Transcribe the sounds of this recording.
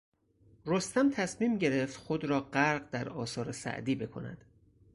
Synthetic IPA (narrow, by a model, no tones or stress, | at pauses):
ɾost̪æmt̪ʰæsmiːmɟe̞ɾe̞ft̪xod̪ɾɒːɢæɾɢd̪æɾɒ̰ːsɒːɾesæ̰ʔd̪iːbe̞kʰo̞̰næ̰d̪̥